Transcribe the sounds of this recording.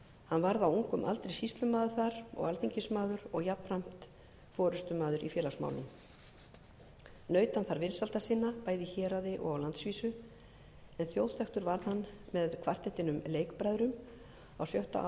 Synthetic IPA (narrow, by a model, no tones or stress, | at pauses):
hanːvaɾðawuŋkʏmʔa̰lt̪ɾejsist̪lʏmaːðʏɾ̥θaɾ̥ɔ̰ɣalθiɲcɪsmaːðʏɾɔɣjapram̥t̪ | fɔːɾʏst̪ʏmaːðʏɾʔḭfjɛːlasma̰wlʏ̰m | nœːɥt̪anθaɾvɪɾsalt̪asɪnːapaːjðiçɛːɾaðɪʔɔ̰ɣawlant̪sviːsʏ | ɛnθjowð̥t̪ʰɛxt̪ʏɾvaɾðhanːmɛðkʰvar̥t̪ɛht̪ɪnʏmleːjkpɾajðɾʏm | awsjœwht̪a̰ʔ